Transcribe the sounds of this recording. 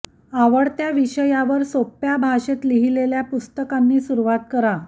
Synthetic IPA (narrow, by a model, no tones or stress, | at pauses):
aʋəɽt̪jaʋiɕəjaʋəɾsopjabʱaɕet̪liɦileljapust̪əkanːiːsuɾuʋat̪̚kəɾa